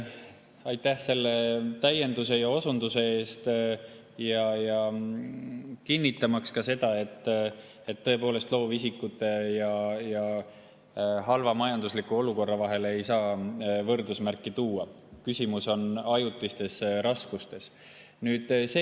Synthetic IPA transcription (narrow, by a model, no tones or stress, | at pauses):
ɑjt̪ːæhse̞lːe̞t̪æje̞nd̪̥use̞jɑo̞sund̪̥use̞e̞ːst̪ | jɑjɑ | kinʲːit̪ːˑɑmɑkskɑse̞d̪̥ɑe̞t̪ːˑ | e̞t̪ːɤ̞e̞po̞ːle̞st̪lo̞ːvisikːˑut̪ːˑe̞jɑjɑ | ɦɑlvɑmɑjɑnd̪̥uslikːuo̞luko̞rːɑvɑɦe̞le̞jsɑːvɤrd̪usmærkːˑit̪uːɑ | kysʲimuso̞nɑjut̪ːˑist̪e̞sɾɑskust̪e̞s | nyːd̪̥se